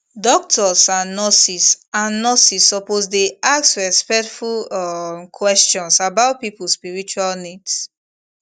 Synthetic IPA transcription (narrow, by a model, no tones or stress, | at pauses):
dɔk̚tʰɔsãnːɔsisãnːɔsisɔposdeaksɹɛspɛk̚tfulɔkʰwɛst͡ʃɔ̃nsabaʊt̚pipulspiɹit͡ʃualnids